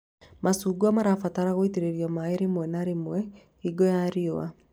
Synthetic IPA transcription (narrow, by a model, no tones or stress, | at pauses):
masuːɡuamaɾafataɾaɣoiteɾeɾijɔmaeɾemwɛnaɾemwɛ | iɡɔjaɾioa̰